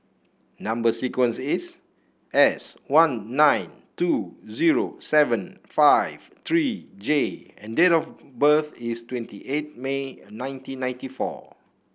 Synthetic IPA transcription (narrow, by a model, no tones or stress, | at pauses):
nãmbəsikwə̃nsis | ʔɛswãnːãj̃n | tuziɹo̰sɛvə̃nfaɪv̥t̪ɹid͡ʒeɛ̰̃ndetɔfbəθistwɛ̃ntiʔet̚menãɪj̃ntĩnːãj̃ntifɔ̰